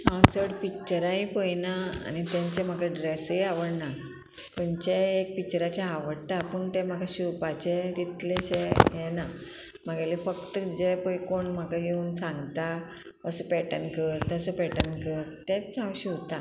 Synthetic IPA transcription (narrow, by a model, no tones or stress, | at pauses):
ãwt͡səɽpik̚t͡ɕəɾãĩpəjnaa̰nit̪ãɲt͡sem̤akaɖɾesəjaʋəɽna | t̪əɲt͡ɕeːk̚pik̚t͡ɕəɾat͡ɕaaʋəɽt̪apəɳt̪em̤aɡaɕupat͡ɕet̪it̪leɕejena | m̤aɡalifəkt̪əd͡ʑepəjkoɳm̤əkajeuːnsãŋɡt̪a | əsəpɛʈənkəɾt̪əsəpɛʈənkəɾt̪ẽt͡sãwɕit̪a